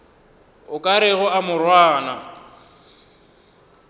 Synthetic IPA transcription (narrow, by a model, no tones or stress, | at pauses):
ʊkʼaɾɪɣʊamʊrwaːna